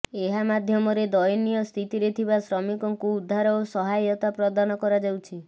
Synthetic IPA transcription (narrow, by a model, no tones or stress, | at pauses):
eɦamad̪ʱjɔmɔɾed̪ɔjɔnijɔst̪ʰit̪iɾet̪ʰibasɾɔmikɔŋkuːd̪ʱːaɾɔosɔɦajɔt̪apɾɔd̪anɔkɔɾad͡ʒawt͡ʃʰi